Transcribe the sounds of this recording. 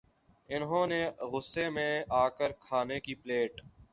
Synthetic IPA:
ɪnɦõːneɣʊsːemẽaːkəɾkʰaːnekipleːʈ

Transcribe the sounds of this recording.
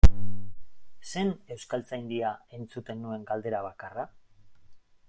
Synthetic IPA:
se̞ne̞wskalt͡sajnd̪iae̞nt͡sut̪e̞nːue̞ŋɡald̪e̞ɾaβ̞akara

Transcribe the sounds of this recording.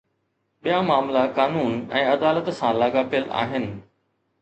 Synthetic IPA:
ɓijamaːmlakaːnuːnɛ̃ːɐd̪aːlət̪sãlaːɡaːpɪjəla̰ːɦɪnɪ̆

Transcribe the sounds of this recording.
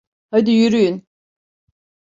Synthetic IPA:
had̪ijyɾyjyn

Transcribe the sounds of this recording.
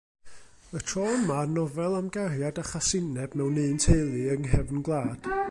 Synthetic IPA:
ətʰrɔəmanɔvɛlˠamɡarjadaχasɪnɛb̥mɛwnɨːntʰejlˠɨəŋɦɛvnɡlˠaːd̥

